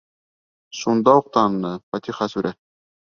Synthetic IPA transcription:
ʃund̪ɑuq̚t̪ɑnːɤfɑt̪iχɑsʉɾʔæ

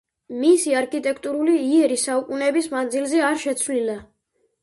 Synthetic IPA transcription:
misiaɾkʼit̪ʼɛkʰt̪ʼuɾuliiɛɾisaukʼunɛbismand̪zilˠzɛaɾʃɛt̪sʰvlila

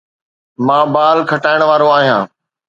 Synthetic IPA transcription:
mãːbaːlkʰɐʈaːɪɽ̃ʋaːɾoaːɦijãː

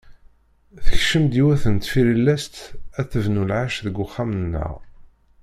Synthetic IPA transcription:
θəçʃəmd̪iwæθənt̪filəlːæst̪æθəvnulʕaʃðəɡʷːʊχːamənːə̰ʁ

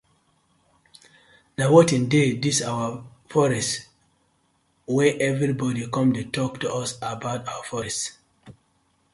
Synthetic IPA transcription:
nawɔtĩndedisawəfɔɹɛst | wɛʔɛvɹibɔdikɔ̃mditʰɔk̚tuɔsabaʊtawafɔɹɛst

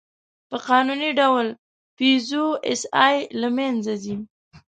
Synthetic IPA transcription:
pəqɑnuniɖawl | fizoɪ̰sɑjlamanzad̪i

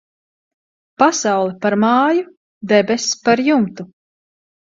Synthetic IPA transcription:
pasawlˠɛpaɾmaːju | d̪ɛbɛspaɾjumt̪u

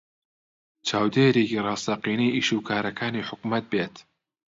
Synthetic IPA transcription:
t͡ʃʰaːwd̪eːɾeːkirɑːst̪ɐqiːniːʔiːʃuːkʰaːɾɐkʰaːniːħʊkmɐt̪̚beːt̪

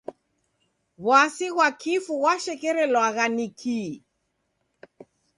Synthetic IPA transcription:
ɣwasiɣwakifuɣwaʃɛkɛɾɛlwaɣanikʰi

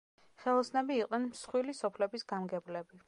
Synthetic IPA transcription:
χɛlˠɔsnɛbiːqʼnɛnmsχwilisɔpʰlɛbisɡ̥amɡɛblɛbi

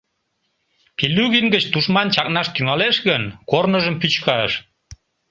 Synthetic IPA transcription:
pilːyɣinɡət͡ɕt̪uʃmɑnt͡ɕɑk̚nɑʃt̪yŋɑleʃɣənkornəʒəmpyt͡ɕkɑʃ

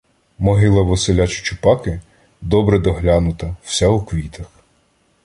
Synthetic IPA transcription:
mɔɦɪlˠɐʋɔsɪlʲɑt͡ʃʊ̥t͡ʃʊpɑkɪ | d̪ɔbɾɛd̪ɔɦlʲɑnʊt̪ɐw̥sʲɛukʋʲit̪ɐx

